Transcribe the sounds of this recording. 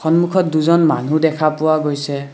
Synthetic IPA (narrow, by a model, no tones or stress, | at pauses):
xɔnmukʰɔtduzɔnma̰n̤udɛkʰapʊwaɡojsɛ